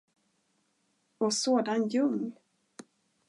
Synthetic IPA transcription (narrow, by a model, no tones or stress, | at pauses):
ɔsoːd̪anjɵŋnl